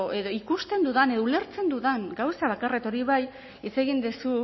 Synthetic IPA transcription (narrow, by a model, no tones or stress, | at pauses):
e̞ðo̞ikust̪e̞nd̪uðane̞ðoule̞ɾt͡se̞nd̪uðaŋɡawsaβakaret̪o̞ɾiβaj | it͡se̞ɣind̪esu